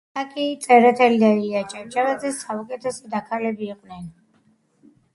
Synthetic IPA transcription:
akʼit̪sʼɛɾɛt̪ʰɛlid̪aiat͡ʃʼat͡ʃʼavazɛsaukʼɛt̪ʰɛsɛd̪akʰalɛbiːqʼvnɛn

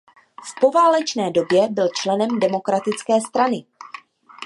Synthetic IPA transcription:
fpo̞vaːlɛt͡ʃnɛːdo̞bjɛbɪlt͡ʃlɛnɛmdɛmo̞kɾat̪ɪt͡skɛːst̪ɾanɪ

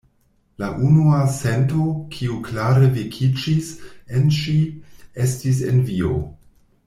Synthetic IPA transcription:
laʔunuasentokʰiuklaɾevikʰid͡ʒisenʃie̞stis̬ḛnvio̰

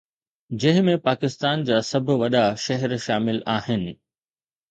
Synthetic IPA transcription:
d͡ʑɐ̃ɦɪ̃mẽpaːkɪst̪aːnd͡ʑaːsɐbʱʊ̆ʋɐɗaʃɐɦɛɾʃaːmɪlaːɦɪnɪ̆

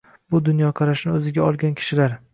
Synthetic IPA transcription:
bʊd̪ʊnjɒqʰɑɾaʃnɪɵzɪɡʲaɒlˠɡʲankʲʰɪ̥ʃɪlaɾ

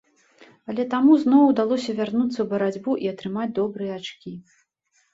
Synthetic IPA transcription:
ɐlʲɛt̪amuznɔwd̪alˠɔsʲɐvʲarnut̪sːɐwbɐɾad͡zʲbuʔiɐt̪ɾɨmad͡zʲd̪ɔbɾɨjɛat͡ʂkʲi

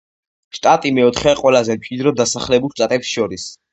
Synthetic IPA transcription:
ʃt̪ʼat̪ʼimɛɔt̪ʰχɛqʼwɛlazɛmt͡ʃʼid̪ɾɔd̪asaχlɛbulˠʃt̪ʼat̪ʼɛpsʃɔɾis

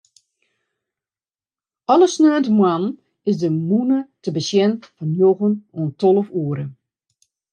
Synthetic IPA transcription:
ɔlˠəsnøːntəmwan | ɪsdəmunətəbəsjɛnfɔnjoɣənoəntolˠəfuəɾə

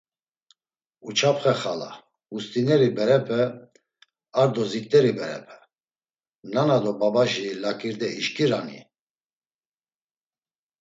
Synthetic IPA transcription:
ut͡ʃʰapχɛχala̰ | ust̪ʼinɛɾibɛɾɛpʰɛ | aɾd̪ɔzik̚ʼt̪ʼɛɾibɛɾɛ̰pʰɛ̥ | nanad̪ɔbabaʒilakʼiɾd̪ɛiʃkʼiɾanḭ

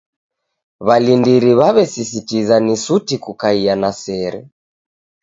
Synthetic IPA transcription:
βalindiɾiβaβɛsisitizanisutikukaianasɛɾɛ̰

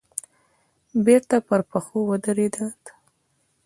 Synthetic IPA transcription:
beɾt̪apəɾpəxowəd̪əɾed̪at̪

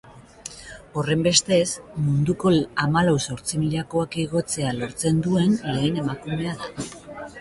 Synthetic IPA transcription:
o̞re̞mbe̞st̪e̞smund̪uko̞amalawso̞ɾt͡simiʎako̞akiɣ̞o̞t͡se̞alo̞ɾt͡se̞nd̪ue̞nle̞ːne̞makume̞aða

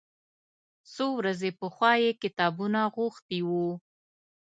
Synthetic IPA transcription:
sowɾazepəxwɑjekɪt̪ɑbunaɣuxt̪iwu

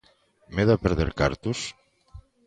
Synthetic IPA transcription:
meðapeɾðḛɾka̰ɾt̪us

